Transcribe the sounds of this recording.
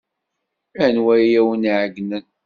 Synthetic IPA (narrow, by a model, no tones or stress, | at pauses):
ænwæjjæwəniʕəɡnən